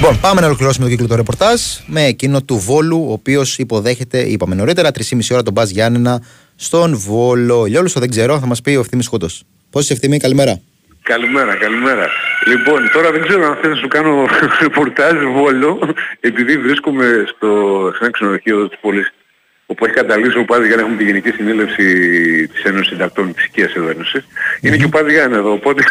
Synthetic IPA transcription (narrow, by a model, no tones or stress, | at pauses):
lipo̞npɐme̞nɐo̞lo̞kliɾosume̞t̪oiklot̪oɾe̞po̞ɾt̪ɐzme̞ːcino̞t̪uvo̞luo̞ːpio̞sipo̞ðe̞çe̞t̪e̞ʔipɐme̞no̞ɾit̪e̞ɾɐt̪ɾisimisio̞ɾɐt̪o̞bɐzʝɐnenɐ | st̪o̞nvo̞lo̞ʎolust̪oðe̞ɡze̞ɾoθɐmɐspiofθimiskot̪os | posisefθimikɐlime̞ɾɐ | kɐlime̞ɾɐkɐlime̞ɾɐ̰lipo̞nt̪o̞ɾɐðeɡze̞ɾoɐnft̪eɐsukɐno̞ɾepoɾt̪ɐʒvo̞lo̞epiðivɾiskomest̪osenɐksinoðoçioðot̪i̥spolis | opue̞çi̥kɐt̪d̪ɐlisoopɐzʝɐnɐexumet̪iʝenicisinilefsit̪i̥se̞nosid̪ɐk̚t̪o̞nt̪i̥si̥ciɐseðoeno̞sisinecepɐzʝɐneðo̞ːpo̞t̪e̞